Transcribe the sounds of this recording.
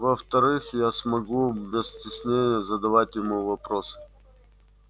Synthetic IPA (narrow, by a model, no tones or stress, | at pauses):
vəft̪ɐɾɨxjasmɐɡubʲɪsʲtʲɪsʲnʲenʲɪjəzəd̪ɐvatʲjɪmuvɐpɾosɨ̥